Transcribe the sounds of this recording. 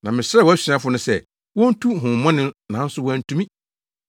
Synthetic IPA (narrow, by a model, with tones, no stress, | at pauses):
nã˨mɪ̃˨sɾɛ˦wɔ˨˦æ˦si˨ã˦fʊ˦nʊ̃˦sɛ˦˨ | wɔ̃˦n̩˦tʰu˦ɦʊ̃˨m˨mɔ̃˦nɪ̃˦nã˨˦n̩˦sʊ˦wɔ˦n̩˦tʰũ˦mĩ˦